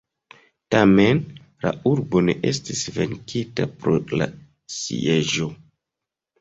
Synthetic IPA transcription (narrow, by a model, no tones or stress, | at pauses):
tamen | la̰uɾbo̞ne̞ʔestisve̞ŋkʰitapɾo̰la̰ | sḭeʒo̞